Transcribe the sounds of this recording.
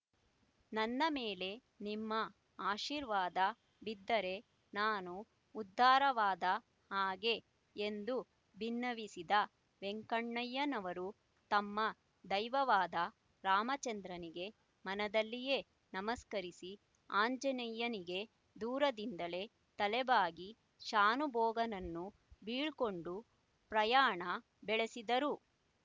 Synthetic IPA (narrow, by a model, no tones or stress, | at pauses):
nɐnːɐmeːle̞ | nimːɐ | aːʃiːɾʋaːd̪ɐ | bid̪ːɐɾe̞ | naːnuː | d̪ʱːaːɾɐʋaːd̪ɐ | haːɡe̞ | end̪u | bʱinːɐʋisid̪ɐ | ʋeŋkɐɳːɐjːɐnɐʋɐɾu | t̪ɐmːɐ | d̪ɐjʋɐʋaːd̪ɐ | ɾaːmɐt͡ʃɐnd̪ɾɐniɡe̞ | mɐnɐd̪ɐlːije̞ | nɐmɐskɐɾisi | aːɲd͡ʒɐnɐjːɐniɡe̞ | d̪uːɾɐd̪ind̪ɐle̞ | t̪ɐlɛbaːɡi | ʃaːnubʱɔːɡɐnɐnːu | biːɭko̞ɳɖu | pɾɐjaːɳɐ | bɛɭe̞sid̪ɐɾu